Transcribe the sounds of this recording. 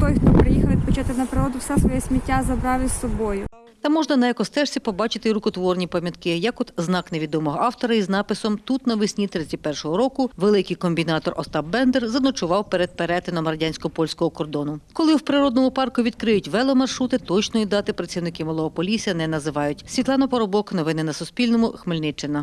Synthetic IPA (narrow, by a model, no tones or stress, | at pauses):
t̪ɔjxt̪ɔpɾɪjixɐʋʲid̪̚pɔt͡ʃat̪ɪnɐpɾɪɾɔd̪ʊwsɛsʋɔjɛsʲmʲitʲːazɐbɾɑʋʲɪsːɔbɔjʊ | t̪ɐmɔʒnɐnɐjɐkɔst̪ɛʃt͡sʲipɔbɑt͡ʃɪt̪ɪɾʊkɔt̪ʋɔrnʲipɐmʲjɐt̪kɪjɐkɔt̪znɑkneʋʲid̪ɔmɔɦɔɑwt̪ɔɾɐiznɑpɪsɔmt̪ut̪nɐʋɪsʲnʲit̪ɾɪɐpɛrʃɔɦɔɾɔkʊʋelˠɪkɪjkɔmʲbʲinɑt̪ɔrɔ̰st̪ɑbbɛnd̪ɛrzɐnɔt͡ʃʊʋɑwpeɾed̪̚peɾɛt̪ɪnɔmrɐdʲanʲsʲkɔpɔlʲsʲkɔɦɔkɔrd̪ɔnʊkɔlˠɪwpɾɪɾɔd̪̚nɔmʊpɑrkʊʋʲid̪kɾɪjʊtʲʋɛlˠɔmɐrʃɾut̪ɪt̪ɔt͡ʃnɔjid̪ɑt̪ɪpɾɐt͡sʲsʲiwnɪkɪmɔlˠɔɦɔpɔlʲisʲijɐnɛnɐzɪʋɑjʊtʲsʲʋʲit̪lˠɑnɐpɐɾɔbɔknɔʋɪnɪnɐsʊspʲilʲnɔmʊxmɪlʲnɪt͡ʃːɪnɐ